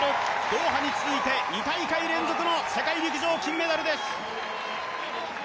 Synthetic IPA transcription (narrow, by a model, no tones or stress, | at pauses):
od̪̥o̞ːɦaɲ̟it͡sɨzɨit̪e̞ɲʲikaikaiɾẽ̞nd͡zokɯnose̞kaiɾʲikiʑo̞ːkʲĩmːe̞d̪aɾɯ̟d̪e̞sɨ̥